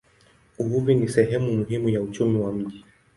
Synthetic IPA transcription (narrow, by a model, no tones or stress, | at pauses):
uɦuvinisɛɦɛmumuɦimujaut͡ʃumiwam̩ʄi